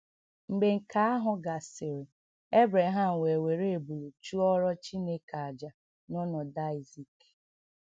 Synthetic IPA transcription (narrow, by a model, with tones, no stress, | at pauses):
ŋ͡m̩˨ɡ͡be˨ŋ̩˨ka˦a˦ɦʊ˨ɡa˨sɪ˨ɾɪ˨ | e˦bɾe˨ɦa˦˨m̩˨we˨we˨ɾe˦e˨bu˨lo˨t͡ʃu˦ɔ˦ɾɔ˦t͡ʃi˦ne˦ka˨d͡ʒa˨ | nɔ˦nɔ˨da˦ɪ˨zi˨k